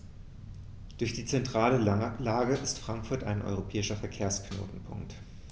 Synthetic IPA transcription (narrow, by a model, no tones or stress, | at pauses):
d̥ʊɐçd̥iːt͡sɛntʁ̥aːləlaːɡəʔɪstfʁ̥aŋkfʊɐta̰ɪnʔɔ̰ʏʁopʰɛːɪʃɐfɛɐkʰeːɐskno̰ːtn̩pʰʊ̰ŋkt